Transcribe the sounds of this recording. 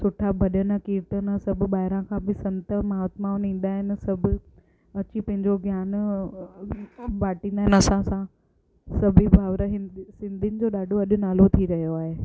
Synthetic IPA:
sʊʈʰabʱɐɗənəkiːɾt̪ənsɐbʱʊ̆ɓaːɦɪɾãkʰãːbɪsɐ̃nt̪əmɐɦat̪maːʊnĩːnd̪aːɦɪnɪ̆sɐbʱʊ̆ | ɐt͡ɕipɐ̃ɦɪ̃ɲd͡ʑoɡjaːn | baːʈĩnd̪aːɦɪnɐsãsã | sɐbʱibʱaːʋɾəɦɪsɪ̃nd̪ʱinɪ̆d͡ʑoːɗaːɖʱoɐɗʊ̆naːlot̪ʰiɾɐɦijoaːɦeː

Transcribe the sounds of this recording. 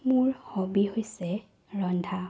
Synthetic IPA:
mʊɹhobihojsɛ | ɹɔndʱa

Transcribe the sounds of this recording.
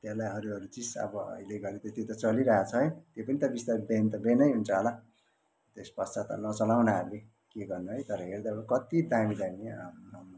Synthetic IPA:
t̪elajɦʌɾuʌɾut͡sisʌ̰bʌʌ̰ileɡʌɾet̪ʌt̪jet̪ʌt͡sʌliɾʌɦat͡sʰʌɦʌjt̪jopʌnit̪ʌbist̪arbent̪ʌbenʌjɦunt͡sʰʌɦola | t̪espʌssat̪ʌ̰nʌt͡sʌlawnaale | keɡʌrnuɦʌjt̪ʌɾʌɦerd̪aokʌt̪id̪amid̪amim

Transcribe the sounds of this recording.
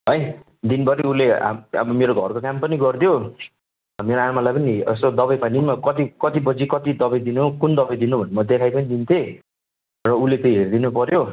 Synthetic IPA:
ɦʌj | d̪inbʌɾiulea̰mʌ̰bʌmeɾoɡʱʌrkokampʌniɡʌrd̪jo | ʌmeɾoamalajpʌniʌsod̪ʌbʌjpanimakʌt̪ikʌt̪ibʌd͡zikʌt̪id̪ʌbʌjd̪inukund̪ʌbʌjd̪inubʱʌnemʌd̪ekʰajpʌnid̪int̪ʰe | rʌulet͡s̪ʌjɦerd̪inupʌɾjo

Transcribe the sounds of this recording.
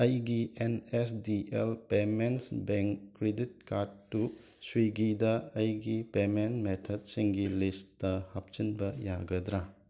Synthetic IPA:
ɐjɡienesdiʔelpemensbeŋɾedit̚kaɾdːu | swiɡidɐɐjɡipemenmetʰɐd̚siŋɡilisɐhap̚t͡ʃinbɐjaɡɐdɾa

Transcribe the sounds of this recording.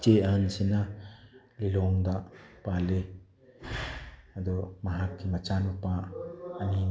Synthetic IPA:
t͡ʃeansena | lilɔŋd̪aʔpale | ad̪ɔmɐɦakːimɐt͡ʃanmupaː | ni

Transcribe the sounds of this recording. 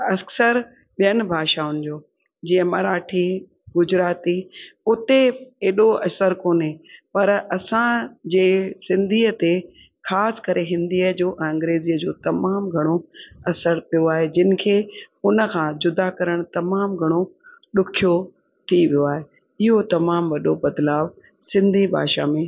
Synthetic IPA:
ɐsəɾ | ɓijənɪ̆bʱaːʃaʊnɪ̆d͡ʑoː | d͡ʑiːə̃mɐɾaːʈʰi | ɡʊd͡ʑɾaːt̪iʊt̪eeːɗoɐsəɾkoːnɦepɐɾɐsãd͡ʑeːsɪ̃nd̪ʱiːət̪e | xʰaːskɐɾeɦɪ̃nd̪iːəd͡ʑoːʔɛ̃ɐ̃ŋɡɾeːziːəd͡ʑoːt̪ɐmaːmɡʱɐɽ̃oɐsəɾpijoaːɦed͡ʑɪnɪ̆kʰeːʊnə̆kʰãːd͡ʑʊd̪akɐɾəɽ̃t̪ɐmaːmɡʱɐɽ̃o | ɗʊkʰijo | t̪ʰiʋijoaːɦe | ɪɦot̪ɐmaːmʋɐɗobɐd̪laːʋ | sɪ̃nd̪ʱibʱa̰ːʃa̰mẽː

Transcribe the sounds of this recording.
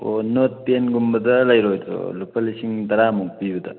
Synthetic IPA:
o̰not̚tenɡumbɐd̪ɐlɐjɾojsʰo̰lupʰɐlisiŋd̪ɐɾamuk̚pibɐd̪ɐ̰

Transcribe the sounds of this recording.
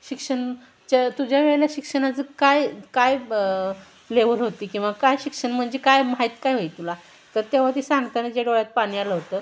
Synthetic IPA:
ɕikʂəɳ | t͡ɕat̪ud͡ʑʱjaʋeɭljaɕikʂənat͡səkajkaj | leʋəlɦot̪iːkĩʋakajɕikʂəɳm̤əɳd͡zekajmaɦit̪kajɦojit̪ula | t̪əɾt̪eʋ̤at̪isãŋɡt̪anad͡ʑeɽoɭjat̪̚paɽ̃ialəɦot̪əː

